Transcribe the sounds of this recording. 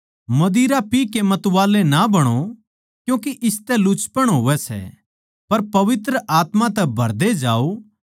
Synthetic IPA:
mɐd̪iːɾapikemɐt̪ʋaːlenabɐɽ̃o | kjũːkeʔɪst̪ɛlʊt͡ʃpəɽ̃ɦoːʋɛsɛ̰ | pɐɾpɐʋɪt̪ɾəʔaːt̪mãt̪ɛbʱɐɾd̪ed͡ʒaːo

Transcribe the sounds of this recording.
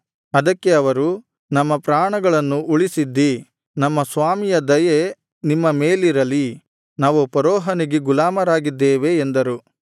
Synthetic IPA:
ɐd̪ɐkːe̞ɐʋɐɾu | nɐmːɐpɾaːɳɐɡɐɭɐnːuuɭisid̪ːi | nɐmːɐsʋaːmijɐd̪ɐje | nimːɐmeːliɾɐli | naːʋupɐɾɔːɦɐniɡeɡulaːmɐɾaːɡid̪ːeːʋe̞ːnd̪ɐɾu

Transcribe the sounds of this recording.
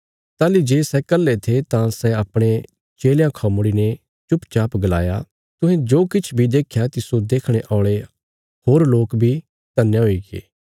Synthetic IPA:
t̪aːlid͡ʒeːsɛkəlːet̪ʰet̪ãsɛɐpɽ̃e | t͡ʃeːljãkʰɔmʊɽinɛ | t͡ʃʊpt͡ʃaːpɡəla̰ːja | t̪ʊ̃ɦɛ̃d͡ʒoːkɪt͡ʃʰbʱid̪eːkʰjat̪isod̪eːkʰɽ̃eʔɔ̃ːɽ̃e | hoːɾloːkbʱi | t̪ɐnːeɦoiɡḛː

